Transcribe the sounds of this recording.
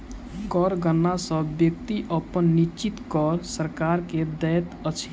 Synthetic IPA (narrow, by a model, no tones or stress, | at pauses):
ɡɔɾɡənːasəbbjək̚t̪iʔəpənːit͡ʃit̪kɔɾsəɾkaɾked̪ɛjt̪ət͡ʃʰ